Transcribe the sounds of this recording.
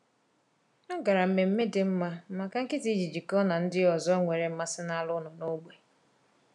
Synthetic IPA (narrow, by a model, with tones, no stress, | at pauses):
nɔ˦ɡa˨ɾa˨m̩˨me˨m̩˦me˦dɪ˦m̩˦ma˦ma˨ka˦ŋ̩˦kɪ˦ti˦d͡ʒi˨d͡ʒi˨kɔ˦na˨n̩˦dɪ˦ɔ˨zɔ˦ŋʷe˨ɾe˨m̩˦ma˦sɪ˦na˦lʊ˦nʊ˨no˦ɡ͡be˨